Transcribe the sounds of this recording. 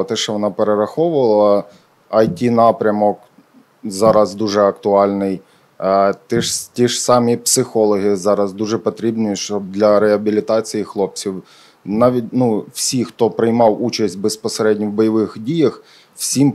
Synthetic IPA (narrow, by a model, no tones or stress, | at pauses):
t̪ɛʃɛʋɔnɑpeɾeɾɐxɔʋʊʋɐlˠɐ | ɐjtʲinɑpɾʲɐmɔk | zɑɾɐzd̪uʒɛɐkt̪ʊɑlʲnɪj | t̪ɛʃtʲiʒsɑmʲipsɪxɔlˠɔɦɪzɑɾɐzd̪uʒɛpɔt̪ɾʲibnɪiʃt͡ʃɔbd̪lʲɐɾeɐbʲilʲit̪ɑt͡sʲijixlˠɔp̚t͡sʲiw | nɑʋʲit̚ʲnuwsʲixt̪ɔpɾɪjmɑwut͡ʃɐsʲtʲbespɔseɾɛdʲnʲɔwbɔjɐʋɪxdʲijɐx | wsʲim